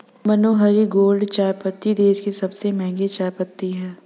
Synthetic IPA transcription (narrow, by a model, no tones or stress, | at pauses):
mɐnoːɦɐɾiɡoːlɖt͡ʃaːɾpət̪ːid̪eːskisɐbsemɛ̃ɦŋɡet͡ʃaːɾpət̪ːiɦɛː